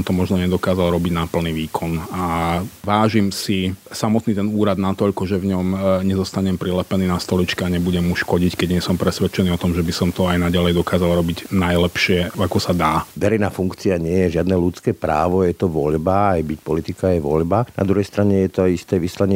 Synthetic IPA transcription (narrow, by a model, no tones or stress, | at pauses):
mt̪ɔmɔʒnɔɲɛd̪ɔkaːzalɾɔbiɟnapl̩niːʋiːkʰɔnaʋaːʒimsisamɔt̪niːt̪ɛnuːɾad̪nat̪ɔʎkɔʒɛvɲɔmɲɛzɔst̪aɲɛmpɾilɛpɛniːnast̪ɔlit͡ʃkɛaɲɛbuɟɛmuʃkɔɟickɛɟɲɪɛsɔmpɾɛsʋɛt͡ʃɛniːɔt̪ɔmʒɛbisɔmt̪ɔajnaɟalɛjd̪ɔkaːzalˠɾɔbiɟnajlɛpʃɪɛakɔsad̪aːʋɛɾɛjnaːfuŋkt͡siaɲɪɛjɛʒɪad̪nɛlut͡skɛːpɾa̰ːʋɔjɛt̪ɔʋɔʎbaajbicpɔlit̪ikaːjʋɔ̰ʎbana̰d̪ɾuɦɛjst̪ɾaɲɛjɛt̪ɔajist̪ɛːʋislaɲɪɛ